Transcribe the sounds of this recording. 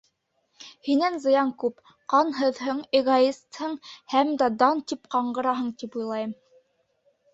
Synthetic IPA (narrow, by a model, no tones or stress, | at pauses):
hinænzɤ̆jɑŋkʉp | qɑnɦɤ̆ðɦɤɴeɡaist̪hɤɴhæmd̪æd̪ɑnt̪ipqɑɴɢɤ̆ɾɑɦɤɴt̪ipujlˠɑjɤm